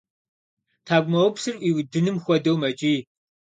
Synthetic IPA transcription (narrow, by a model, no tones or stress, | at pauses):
tʰaːɡʷmɐwpsɨrʔiːwdɨnɨmxʷɔdowmɐt͡ʃʼiː